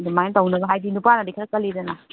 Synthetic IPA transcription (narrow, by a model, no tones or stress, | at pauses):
dumajntɐwnɐbɐɦajdinupanadikʰɾɐkɐlidɐna